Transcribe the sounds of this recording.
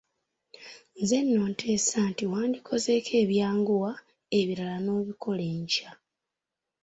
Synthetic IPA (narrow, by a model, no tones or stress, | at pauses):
nze̞nːoːntʰe̞ːsantiwaːndikʰo̞ze̞kʰe̞ːβjaːŋɡuwa | e̞βiɾalano̞βiko̞leːɲca